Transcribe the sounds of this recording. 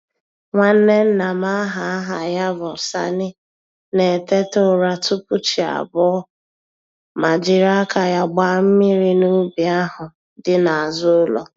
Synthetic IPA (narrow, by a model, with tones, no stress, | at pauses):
ŋʷa˦n̩˦ne˦n̩˦na˨ma˦ɦa˨˦ɦa˨ja˦bɔ˨sa̰˦nɪ˦ | ne˨te˦tʊ˦˨ɾa˦tʊ˦pu˦t͡ʃi˨a̰˨bɔ˦ | ma˨d͡ʒɪ˨ɾa˦ka˨ja˦ɡ͡ba˨m̩˦mi˦ɾi˦nu˦bi˨a˦ɦʊ˨ | dɪ˦na˨a˨zʊ˦ʊ˦lɔ̰˨